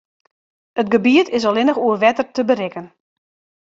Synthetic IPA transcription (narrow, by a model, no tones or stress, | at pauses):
ət̚ɡəbiətʰɪs̬ɔlɪnəxuərʋɛtərtəbəɾɪkən